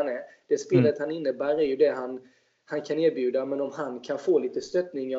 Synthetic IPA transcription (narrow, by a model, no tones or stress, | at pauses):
anæɾd̪̥ɛspeːlət̪hanɪnːəbæːɾæɾjɵd̪ɛɦan | hankʰaneːɾbjʉ̟ːd̪amɛnɔmɦankʰanfoːliːt̪əst̪œt̪nɪŋa